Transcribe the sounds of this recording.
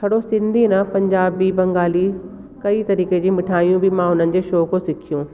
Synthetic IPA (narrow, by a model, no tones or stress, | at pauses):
kʰɐɽosɪ̃nd̪ʱinãpɐ̃ɲd͡ʑaːbibɐ̃ŋɡaːli | kɐit̪ɐɾiːked͡ʑĩːmɪʈʰaːijũbɪmãʊn̤ənɪ̆d͡ʑeːʃoːkʰosɪkʰijũː